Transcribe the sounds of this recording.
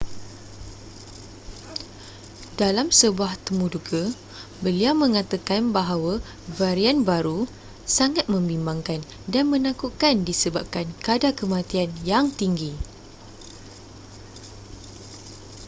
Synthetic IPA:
dalamsəbuaht̪əmuduɡə | bəliawmə̃ŋãt̪akanbaɦawa | vaɾianbaɾu | saŋat̪̚mə̃mbimbaŋkan | danmə̃nãkukandisəbap̚kankadakəmãt̪ianjaŋt̪iŋɡi

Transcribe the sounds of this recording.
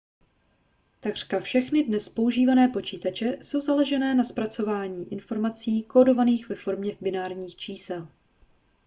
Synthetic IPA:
t̪aɡr̥kafʃɛxnɪdnɛspo̞uʒiːvanɛːpo̞t͡ʃiːt̪at͡ʃɛso̞wzalɛʒɛnɛːnaspɾat͡so̞vaːɲiːʔɪnfo̞ɾmat͡siːkoːdo̞vaniːxvɛfo̞ɾmɲɛbɪnaːɾɲiːxt͡ʃiːsɛl

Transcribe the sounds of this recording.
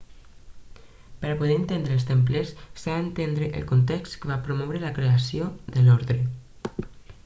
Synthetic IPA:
pəɾapuðeənt̪end̪ɾəːlˠst̪empləsːaːnt̪end̪ɾəʔə̰lkunt̪ekst̪kəβapɾomɔwɾəlakɾeasioðəlɔɾðɾə

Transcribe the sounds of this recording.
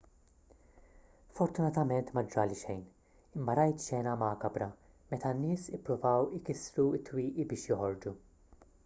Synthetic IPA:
fɔɾt̪ʊnɐt̪ɐmɛnt̪mɐd͡ʒɾɐːliʃɛjn | ɪmːɐɾɐjt̪ʃɛːnɐmɐːkɐbɾɐ | mɛt̪ɐnːɪːsɪpːɾʊvɐwɪkɪsɾuɪt̪ːwiːʔibɪːʃjɔħɔɾd͡ʒu

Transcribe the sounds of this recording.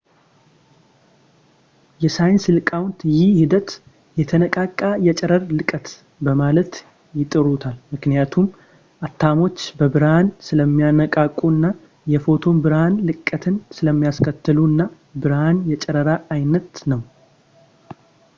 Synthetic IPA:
jɛsajnsɨlkʼawnt̪jɪhhid̪ət̪ | jɛt̪ʰənəkʼakʼːajɛt͡ʃʼɛɾəɾlɨkʼət̪ | bəmalət̪ | jɪt̪ʼɨɾut̪ʰalmɨknijat̪ʰum | ʔat̪ʰːamo̞t͡ʃːbəbɨɾhansɨləmːijanəkʼakʼuɨnːa | jɛfo̞t̪ʰo̞mbɨɾhanlɨkʼːət̪ʰɨnsɨləmːijaskʰət̪ːɨluɨnːa | bɨɾhanjɛt͡ʃʼɛɾəɾaːjnət̪nəw

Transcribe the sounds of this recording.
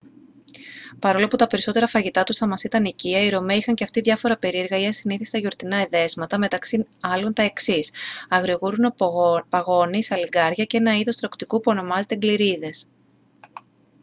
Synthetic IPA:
pɐɾo̞loput̪ɐpe̞ɾiso̞t̪e̞ɾɐfɐʝit̪ɐt̪usθɐmɐsit̪ɐniciɐiɾo̞meixɐɲce̞ɐft̪iðʝɐfo̞ɾɐpe̞ɾieɾɣɐiɐsiniθist̪ɐʝo̞ɾt̪inɐeðe̞zmɐt̪ɐme̞t̪ɐksiɐlo̞nt̪ɐe̞ksisɐɣɾiɣuɾunopɐɣo̞nisɐliɡɐɾʝɐcee̞nɐiðo̞st̪ɾo̞kt̪ikupuo̞no̞mɐze̞t̪e̞ɡliɾiðe̞s

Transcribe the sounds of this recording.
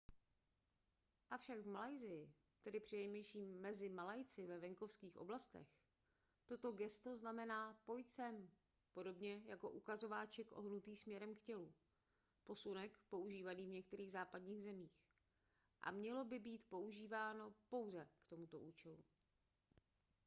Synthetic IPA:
ʔafʃaɡvmalajzɪjɪ | t̪ɛdɪpr̝̥ɪjɛjmɛjʃiːmːɛzɪmalajt͡sɪvɛvɛŋko̞fskiːxʔo̞̰blast̪ɛ̰x | t̪o̞t̪o̞ɡɛst̪o̞znamɛnaːpo̞jt͡sɛm | po̞do̞bɲɛjako̞ʔukazo̞vaːt͡ʃɛkʔoɦnut̪iːsmɲɛɾɛmkcɛlu | po̞sunɛkpo̞uʒiːvaniːvɲɛk̚t̪ɛɾiːɣzaːpadɲiːɣzɛmiːx | ʔa̰mɲɛlo̞bɪbiːt̪po̞uʒiːvaːno̞po̞wzɛkt̪o̞mut̪o̞ʔuːt͡ʃɛlu

